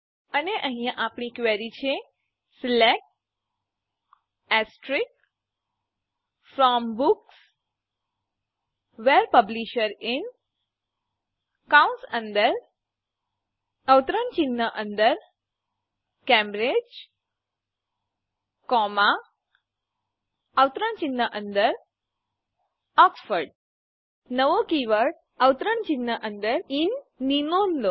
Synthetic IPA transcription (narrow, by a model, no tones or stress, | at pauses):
əneʔəɦĩãʔapɳikʋeɾit͡ʃʰe | slɛk̚ | ɛsʈɾik̚ | fɾɔmbuks | ʋeɾpəbliʃəɾɪn | kaunsə̃nd̪əɾ | əwt̪ɾəɳt͡ɕinːəʔə̃nd̪əɾ | kɛ̃mbɾed͡ʑ | kɔma | əwt̪ɾənt͡ɕinːəʔənd̪əɾ | ɔksfəɾɖ | nəʋokiʋəɾɖ | əwt̪ɾəɳt͡ɕinːəʔə̃nd̪əɾinːinonlo